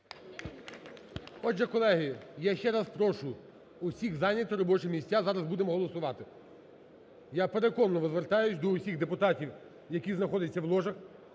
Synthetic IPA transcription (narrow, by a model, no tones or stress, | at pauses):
ɔd͡ʒɛkɔlˠɛɦɪjaʃt͡ʃɛɾɑspɾɔʃʊ | ʊsʲiɣzɑnʲɐt̪ɔɾɔbɔt͡ʃɪmʲisʲtʲazɑɾɐzbud̪emɔɦɔlˠɔsʊʋɑt̪ɪ | japeɾekɔnːɔʋɔzʋert̪ɑjʊsʲd̪ɔʊsʲiɣd̪epʊt̪ɑtʲiw | jɐkʲiznɐxɔd̪ɪt͡sʲːɐwlˠɔʒɐx